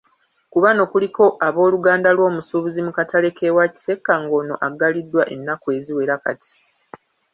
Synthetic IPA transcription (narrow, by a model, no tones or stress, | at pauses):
kuβano̞kuliko̞ʔaβo̞ːluɡaːndalwo̞ːmusuːβuzimukatale̞ke̞waci̥se̞kːaŋɡo̞ːno̞̰ʔaɡːalidːwaʔe̞nːakwe̞ziwe̞ɾaka̰ti̥